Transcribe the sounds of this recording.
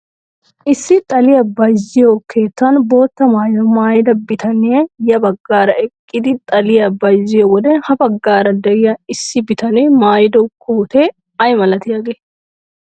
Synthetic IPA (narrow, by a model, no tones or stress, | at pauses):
ʔɪsːɪt̪ʼɐlɪjɐbɐjzɪjokʰe̞ːt̪ːɐnbo̞ːt̪ːɐmaːjɔmaːjɪd̪ɐbɪt̪ɐneɐjɐbɐɡːaːɾɐʔɛkʼːɪd̪ɪt̪ʼɐlɪjɐbɐjzɪjɔwɔd̪ɛhɐbɐɡːaːɾɐd̪ɛɪjɐɪsːɪbɪt̪ɐneːmaːjɪd̪ɔkʰuːt̪eː | ɐjmɐlɐt̪ɪjɐɡe